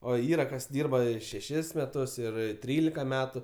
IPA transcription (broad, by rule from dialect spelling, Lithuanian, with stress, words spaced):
oː ˈiːrɐ kɐs ˈdʲiːrbɐ ˈɪ ʃʲɛˈʃʲɪs mʲɛˈtʊs ɪr ˈtʲrʲiːlʲɪkɐ ˈmʲæːtʊ